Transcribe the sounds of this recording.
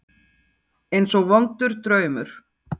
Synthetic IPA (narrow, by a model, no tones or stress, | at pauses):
ejnsɔɣvɔnt̪ʏɾ̥t̪ɾœːɥmʏɾ̥